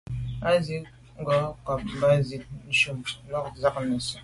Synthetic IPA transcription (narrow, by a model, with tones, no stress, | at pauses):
a˦zi˦ | ŋ˦ɡɔ˨˦ka˨p̚m˦ba˦zi˨t̚n̩˦ʃu˦m˦ma˦k̚za˦kna˨su˨